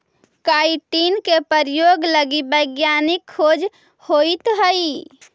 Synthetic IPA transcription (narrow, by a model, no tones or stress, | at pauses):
kaːiʈiːnkepəɾjoːɡləɡibəɪɡjaːnɪkʰːoːd͡ʒ | hoːit̪ɦəi